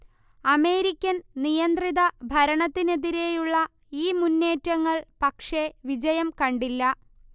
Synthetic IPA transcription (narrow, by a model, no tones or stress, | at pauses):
ɐme̞ːɾikʲːɐnnijɐnd̪riðɐbʱɐɾɐɳɐt̪ːine̞ðiɾe̞juɭːɐ | iːmunːe̞ːtːɐŋːɐɭpɐkʂe̞ʋid͡ʑɐjɐmkɐɳɖilːɐ